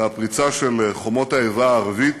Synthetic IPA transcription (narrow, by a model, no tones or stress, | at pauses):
apʁit͡saʃeleχomo̞t̪haevaːʁavit̪